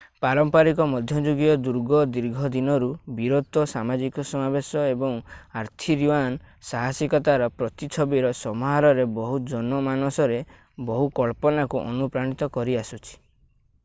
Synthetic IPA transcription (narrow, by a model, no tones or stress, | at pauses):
paɾɔmpaɾikɔmɔd̪ʱjɔd͡ʒuɡiɔd̪uɾɡɔd̪iɾɡʱɔd̪inɔɾubiɾot̪ɔsamad͡ʒikɔsɔmabesɔebɔŋaɾt̪ʰiɾjuansaɦasikɔt̪aɾɔpɾɔt̪it͡ʃʰɔbiɾɔsɔmɔɦaɾɔɾebɔɦud͡ʒɔnɔmanɔsɔɾe | bɔɦukɔɭpɔnakuʔɔ̰nupɾaɽ̃it̪ɔkɔɾiasut͡ʃʰi̥